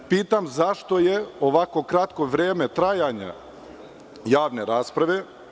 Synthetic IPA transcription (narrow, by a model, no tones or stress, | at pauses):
piːt̪amzaʃt̪o̞jeoʋako̞kɾat̪ko̞ʋɾeːmet̪ɾajaɲa̰ | jaːʋneɾaːspɾaʋe